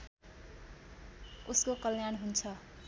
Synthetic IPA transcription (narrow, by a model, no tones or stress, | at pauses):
uskokʌljanɦunt͡sʰʌ